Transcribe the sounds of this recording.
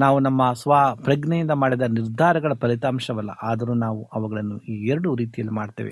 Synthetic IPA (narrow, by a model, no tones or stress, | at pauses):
naːʋunɐmːɐsʋaːpɾɐɡɳɛjind̪ɐmaːɽid̪ɐniɾd̪ʱaːɾɐɡɐɭɐpɐɾit̪aːmʂɐʋɐlːɐ̰ʔaːd̪ɐɾuːnaːʋuɐʋɐɡɐɭɐnːuiːɛɾɐɽuɾiːt̪ijɐlːimaːɖt̪ḛːʋḛ